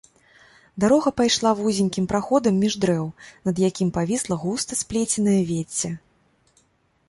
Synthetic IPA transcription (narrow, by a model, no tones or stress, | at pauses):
d̪aɾɔɣɐpajʂlˠavuzʲinʲkʲimpɾaxɔd̪ɐmʲːiʐd̪ɾɛwnɐd̪jakʲimpavʲislˠɐɣust̪ɐsʲplʲet͡sʲɛnɐjɐvʲet͡sʲːɛ